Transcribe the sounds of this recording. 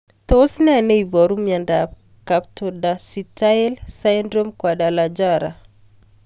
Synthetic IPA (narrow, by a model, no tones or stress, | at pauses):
tosnɛneibɔɾumjandap̚ | kaptodasitalsajndɾomkwadalad͡ʒaɾa̰